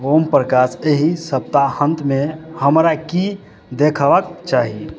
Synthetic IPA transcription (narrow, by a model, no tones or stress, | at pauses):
ɦompɾəkaseɦisəb̚t̪ahə̃nt̪mehəmɾaki | d̪ekʰʋəkt͡ʃaɦi